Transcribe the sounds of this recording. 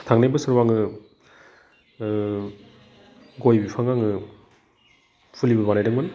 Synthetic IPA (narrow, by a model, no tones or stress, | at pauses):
tʰaŋnajbɯsɯɾwaŋɯ | ɡojbipʰaŋaŋɯ | pʰulibɯbanajdɯŋmɯn